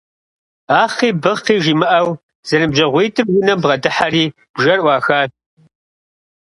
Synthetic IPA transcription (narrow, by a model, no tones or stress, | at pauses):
aːχiːbɨʁqiːʒiːmɨʔɐw | z̥ɐnɨmbʑɐʁʷiːtʰɨmwʊnɐmbʁɐdɨħariː | b̥ʒɐrʔʷɑːxaː